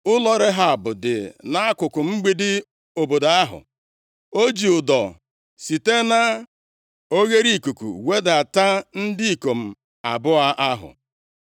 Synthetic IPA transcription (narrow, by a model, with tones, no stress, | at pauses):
ʊ˦lɔ˦ɾɪ˦ɦa˨bʊ˨dɪ̰˨na˦a˦kʊ˨kʊ˨ŋ͡m̩˦ɡ͡bi˦dɪ˦ | o˨bo˨da˨a˦ɦʊ̰˨ | o˦d͡ʒi˨ʊ˨dɔ˨ | si˨te˦na˦ | o˦ɣe˦ɾi˦˨ku˨kṵ˨we˦da˨ta˦n̩˦dɪ˦i˨ko˨m̩˨ | a̰˨bʊ˦a˦ʔa˦ɦʊ̰˨